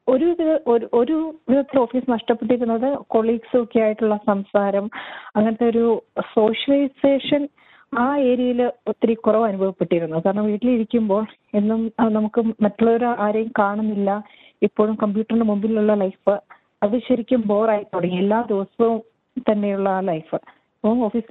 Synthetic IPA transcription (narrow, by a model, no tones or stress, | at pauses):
o̞ɾuʋiðɐʔoʔo̞ɾuʋiðɐt̪ːilo̞ːfiːsɨnɐʂʈɐpːeʈ̬ːiɾunːɐðɨko̞ɭːiːɡsɨokːejaːjiʈːuɭːɐsɐmsaːɾɐmɐŋːɐnɐt̪ːe̞o̞ɾuso̞ːʂɐlɐjseːʂɐn | aːe̞ːɾjɐjilot̪ːiɾikːurɐʋɐnubʱɐʋipːeʈːiɾunːukaːɾɐɳːɐmʋiːʈːiliɾikʲːumbo̞ːɭ | e̞nːumnɐmukːɨmɐtːoɭːoɾuaːɾjɐjɐmkaːɳɐmilːɐ | ipːo̞ːɻumkɐmbjuːʈːɐrnɖemumbililuɭːɐlɐjfɨ | ɐðɨɕɐɾikʲːumbo̞ːraːjipːoɽɐŋielːaːd̪iʋɐsɐʋum | t̪ɐnːe̞juɭːɐlɐjfɨ | mo̞ːfiːsi